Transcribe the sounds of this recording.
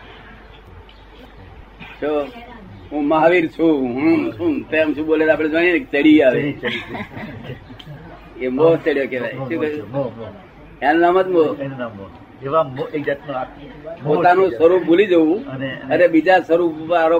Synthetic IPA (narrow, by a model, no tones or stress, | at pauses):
t͡ʃʰo | ɦũmaɦʋiɾt͡ʃʰũɦũsʰũt̪emt͡ʃʰũɓoled̪apɽ̃ed͡ʒaɽ̃inek̚t͡ʃəɽiaʋe | embot͡ʃeɽjokeʋajuk | annamət̪monam | eʋaekd͡ʒat̪noa | pot̪anũsəɾubolid͡ʒəũəneəɾebid͡ʒasəɾuaɾo